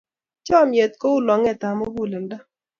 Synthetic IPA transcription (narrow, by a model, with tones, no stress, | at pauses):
t͡ʃɔ˦mje˨t̪̚ko˦ʊ˦lɔ˨ŋɛ˦˨ta˨mo˦ɡu˦˨le˨nda˦